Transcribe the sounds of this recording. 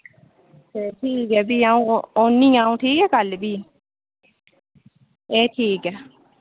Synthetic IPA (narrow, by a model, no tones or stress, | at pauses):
t̪eːʈʰiːkɦɛːbiːãːũːoːnːĩːaːũːʈʰiːkɦɛːkəlbiː | eːʈʰiːkɛː